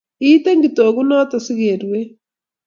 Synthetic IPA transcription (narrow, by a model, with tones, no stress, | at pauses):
i˦te˦ŋɡitoɣunɔ˦ta˨si˦ɣeɾwe